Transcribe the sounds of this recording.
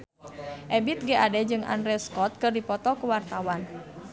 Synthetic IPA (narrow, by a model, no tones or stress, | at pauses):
ʔɛbit̪̚ɡɛʔadɛd͡ʒɨŋʔa̰ndɾɛskɔt̪̚kɨrdipɔt̪ɔkuwart̪awan